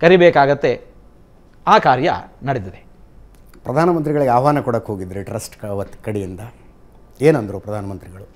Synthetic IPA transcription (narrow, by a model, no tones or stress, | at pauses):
kɐɾibeːkaːɡɐt̪ːe | aːkaːɾjɐ̰nɐɽed̪id̪e | pɾɐd̪ʱaːnɐmɐnt̪̬ɾiɡɐɭiɡeaːʋaːnɐkɔɽɐkːɦoːɡid̪ːɐɾiʈɾɐsʈkɐʋɐt̪ːkɐɽijind̪ɐ | eːnɐnd̪ɐɾupɾɐd̪ʱaːnɐmɐnt̪ɾiɡɐɭu